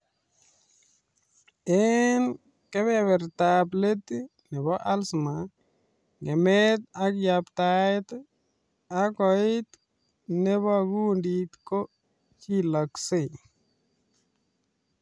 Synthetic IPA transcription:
ɛn | kɛ˦βɛ˦βɛ˨ɾt̪aple˦t̪i˦ | nɛ˨βɔ˦ʔa˦lsma˨ | ŋe˨mɛ˦t̪̚a˦kja˨pt̪a˨jt̪ | a˦kɔ˨ɪ˦t̪ | nɛ˦βɔ˦ɡu˦ndit̪ko˦ | t͡ʃi˦la˨kse˦˨

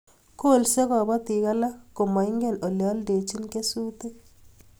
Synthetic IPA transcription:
ko˦˨lse˦kɔ˨bɔ˦t̪i˨ka˦la˦ko˨ma˨i˦ŋɡe˦˨no˨ljɔ˨˦lde˨t͡ʃi˦nke˦su˦t̪e˦

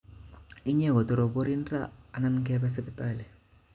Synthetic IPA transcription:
i˦ɲɛ˦˨ɣɔ˨tɔ˨ɾɔ˨po˦ɾi˦n˦ra̰ː˦˨na˦nkɛ˦ba˦sɛ˦pi˦tʼaː˨lɛ˨

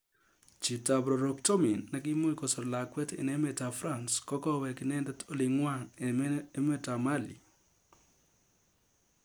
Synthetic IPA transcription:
t͡ʃi˨ta˨bɾo˨ɾo˨k̚tɔ˦mi˨nːa˨ɡ̬ɪ˦mo˦i˦ko˨so˨ɾla˨kwɛ˦tḛ˨nɛ˦me˨ta˨fɾa˦˨nskɔ˦kɔ˦wɛ˨kɪ˨nɛ˦dto˦lɪ˨ŋwa˦˨ŋe˦me˦ta˨ma˦lḭ˨

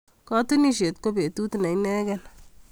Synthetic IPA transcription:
kɔ˦t̪u˦ni˦ʃe˨t̪ko˦be˨t̪u˦tu˨nɛ˨jnɛː˦ɡɛn

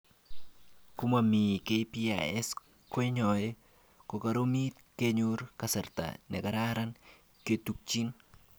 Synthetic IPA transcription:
kʊ˦mami˨ke˦pia̰ɛ˦s | ko˦i˦ɲɔje | ko˨ka˨ɾo˦mi˦t̪̚ke˦ɲuɾkasɛ˨ɾt̪a̰nɛ̰˨ka˨ɾaɾan | ke˨t̪uk̚t͡ʃi˦n

